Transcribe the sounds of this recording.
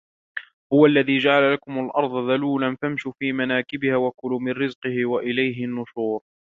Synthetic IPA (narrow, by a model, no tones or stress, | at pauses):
hʊwalːaðiːd͡ʒaʕalalakʊmalʔɑɾˤd̪ˤɑðaluːlanfamʃuːfiːmanaːkɪbɪhaːwakʊlumɪnɾɪzqɨhɪwaʔɪlajɦɪnːʊʃuːɾ